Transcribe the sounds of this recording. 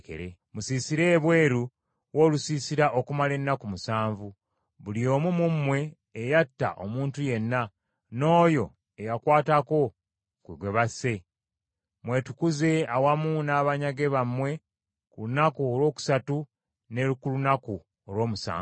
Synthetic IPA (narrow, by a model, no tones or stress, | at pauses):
kḛɾemusiːsiɾe̞ːβwe̞ːɾu | wo̞ːlusiːsiɾaʔo̞kumale̞nːakumusaːɱvu | βulio̞ːmumumwe̞ː | jatːa̰ʔo̞̰muːntuje̞nːa | no̞ːjo̞ | ejakwaːtako̞ | kwiɡwe̞βase̞ | mwe̞ːtu̥kuze̞awamuːnaːβaɲaɡe̞βamwe̞ | kulunakuolwo̞ːku̥satu | ne̞lukulunaku | olwo̞ːmusa̰ː